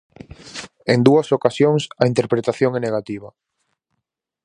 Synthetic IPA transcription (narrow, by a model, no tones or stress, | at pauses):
end̪uɐsokasjoŋsɐint̪eɾpɾet̪aθjoŋɛneɣat̪iβ̞ɐ